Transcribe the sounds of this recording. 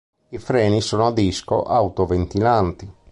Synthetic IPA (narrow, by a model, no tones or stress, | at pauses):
ifɾɛːnisɔːnoad̪isko̰ʔawt̪ovent̪ilant̪i